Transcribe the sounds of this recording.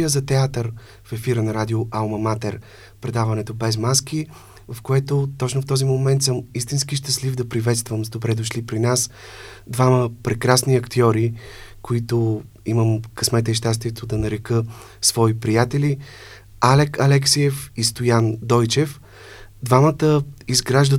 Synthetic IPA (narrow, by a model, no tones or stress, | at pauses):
əzɐt̪ɛat̪əɾ | fɛfiɾənɐɾad̪ioʔalˠmɐmat̪ɛɾ | pɾɛd̪avɐnɛt̪obɛzmaski | vɐfkoɛt̪ot̪ɔt͡ʃnoft̪ɔzimomɛnt̪sɤmist̪inskiʃt̪əslivd̪ɐpɾivɛt̪st̪vəmzd̪obɾɛd̪oʃlipɾinasd̪vaməpɾɛkɾasniɐkt̪iɔɾikoit̪o | iməmkɐsmɛt̪ɛʃ̬t̪ast̪viɛt̪od̪ɐnɐɾɛkɤ | svɔipɾijat̪ɛli | alɛkɐlɛksiɛfist̪ojand̪ɔjt͡ʃɛf | d̪vamət̪əizɡɾaʒd̪ə